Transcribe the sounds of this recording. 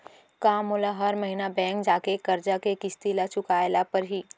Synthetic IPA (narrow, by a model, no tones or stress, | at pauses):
kaːmʊlaɦɐɾmɐɦinabɛ̃ːŋk̚d͡ʒaːkekɐɾd͡ʒakekɪst̪ilat͡ʃʊkaːjlapɐɾɦiː